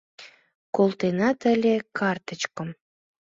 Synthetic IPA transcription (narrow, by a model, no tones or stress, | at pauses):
kolˠt̪enɑt̪ə̆lʲekɑrt̪ə̆t͡ɕkə̆m